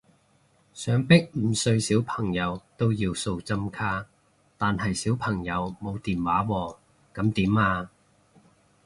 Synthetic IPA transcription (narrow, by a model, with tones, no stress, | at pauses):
sœː˨˥ŋpɪ˥k̚m̩ː˨˩sɵ˧ɥsiː˨˥wpʰɐ˨˩ŋjɐ˨˧wt̪o˥wjiː˧wso˨˧wt͡sɐ˥mkʰaː˥ | t̪aː˨nɦɐ˨jsiː˨˥wpʰɐ˨˩ŋjɐ˨˧wmo˨˧wt̪iː˨nwaː˨˥wɔː˧˩ | kɐ˨˥mt̪iː˨˥maː˧